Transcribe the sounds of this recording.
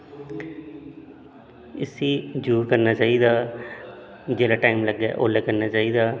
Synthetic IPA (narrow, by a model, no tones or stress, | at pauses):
ɪsiːd͡ʒuːɾkəɾnaːt͡ʃaːiːd̪aː | d͡ʒeːlaːʈaːimləɡa̰ːʔo̰ːləkəɾnaːt͡ʃaːiːd̪aː